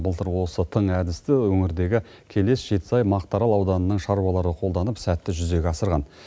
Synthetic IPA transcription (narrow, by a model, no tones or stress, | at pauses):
bəlˠt̪əɾwo̞sət̪ʰəɴæd̪ɪst̪ɪwɵŋɪɾd̪e̞ɡʲɪ | kʲʰe̞le̞sʒ̥e̞t̪sɑjmɑqt̪ɑɾɑlˠɑwd̪ɑnənəɴʃɑɾuwɑlˠɑɾəqʰo̞lˠd̪ɑnəpsæt̪ːɪʒʏze̞ɡʲeɑsəɾʁɑn